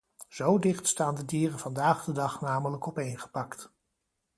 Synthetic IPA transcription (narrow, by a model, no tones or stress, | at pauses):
z̥owdɪχtstaːndədiːrənv̥ɑndaːχdədɑχnaːmələkɔpejnχə̥pɑkt